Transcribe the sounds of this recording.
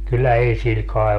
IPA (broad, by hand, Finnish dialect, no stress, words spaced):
kylːæ ei sil kɑi̯